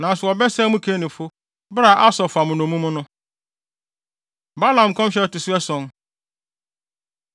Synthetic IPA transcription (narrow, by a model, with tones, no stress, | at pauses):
nã˨sʊ˨ɔ˨bɛ˦sɛ˦mũ˦kʰe˦nɪ̃˨fʊ˦ | bɾa˨ʔa˦sɔ˨fa˨mʊ̃˨nʊ̃˨mũ˦mʊ̃˦nʊ̃˦ | ba˦lã˨m˨kʰɔ̃˦m˦ɕɛ˦ɔ˦˨tɪ˨sʊ˦ɛ˦sɔ̃˦n